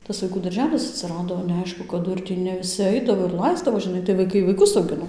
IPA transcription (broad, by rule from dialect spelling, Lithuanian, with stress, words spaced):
tɐs ʋɐɪˈkuː dɐrʲˈʒʲæːlʲɪs ɐtʲsʲɪˈrɑːdoː nʲɛɐˈɪʃkʊ kɐˈdʊ ɪr ˈtʲiː nʲɛ ʋʲɪˈsʲɪ ˈɐɪdɐʋoː ɪr ˈlˠɐɪzdɐʋoː ʒʲɪˈnɐɪ tɐɪ ʋɐɪˈkɐɪ ʋɐɪˈkʊs ɐʊˈɡʲɪnoː